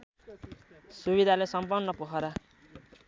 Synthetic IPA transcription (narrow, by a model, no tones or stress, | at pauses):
subid̪ʱalesʌmpʌrnnʌpukʰʌɾa